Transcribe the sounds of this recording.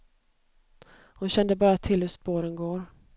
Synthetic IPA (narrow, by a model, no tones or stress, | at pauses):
hʊnɕɛnd̪əbɑːɾat̪ʰɪlhɵspoːɾənɡoːɾ